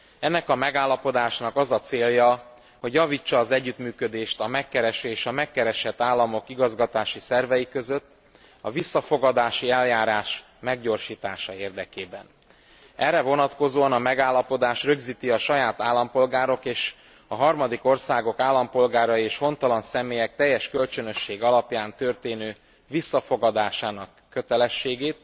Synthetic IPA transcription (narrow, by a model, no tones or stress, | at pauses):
ɛnːɛkɒmɛɡaːlːɒpo̞d̪aːʃnɒkɒzɒt̪seːljɒ | ho̞ɟjɒviːt͡ʃːɒːzɛɟːyt̪myːkø̞d̪eːʃt̪ɒmɛkːɛɾɛʃøeːʃɒmɛkːɛɾɛʃɛt̪ːaːlːɒmo̞kiɡɒzɡɒt̪aːʃisɛrvɛjikø̞zøt̪ː | ɒ̰visːɒfo̞ɡɒd̪aːʃiɛljaːɾaːʃ | mɛɡɟo̞rʃiːt̪aːʃɒeːrd̪ɛkeːbɛ̰n | ɛrːɛvo̞nɒt̪ko̞zoːɒnɒmɛɡaːlːɒpo̞d̪aːʃrøɡziːt̪iɒʃɒjaːt̪aːlːɒmpo̞lɡaːɾo̞keːʃ | ɒɦɒrmɒd̪iko̞rsaːɡo̞kaːlːɒmpo̞lɡaːɾɒjieːʃho̞nt̪ɒlɒnsɛmeːjɛk̚t̪ɛjːɛʃkølt͡ʃø̞nø̞ʃːeːɡɒlɒpjaːnt̪ørt̪eːnøː | visːɒfo̞ɡɒd̪aːʃaːnɒkːø̞t̪ɛlɛʃːeːɡeːt̪̚